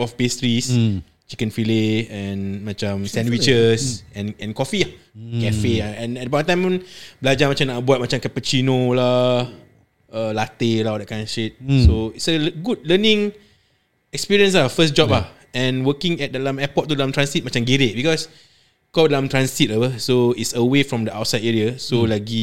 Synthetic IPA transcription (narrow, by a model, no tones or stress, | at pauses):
ɔfpestɹis | t͡ʃikə̃nfileɛ̃nmat͡ʃãmsɛ̃nwit͡ʃəsɛ̃nɛ̃nkɔfia | kɛfeaɛ̃nɛt̚dəbãntãj̃mblad͡ʒamat͡ʃãmnaʔbuat̚mat͡ʃãmkɛpət͡ʃinola | əlat̪elaɔdɛʔkãnʃit̚soitsəlɡud̚lənĩŋ | ɛkspiɹiə̃nslafəsd͡ʒɔp̚la | ɛ̃nwəkĩŋɛt̚dəlamɛpɔt̚tːudəlãmt̪ɹãnsit̚mat͡ʃãmɡeɾeʔbikɔs | kɔdəlãmt̪ɹãnsit̚əwəsoitsəwefɹɔ̃mdəʔawt̚sajdeɹiasolaɡi